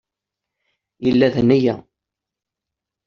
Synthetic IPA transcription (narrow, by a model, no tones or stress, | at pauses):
jəlːæðənæjæ̰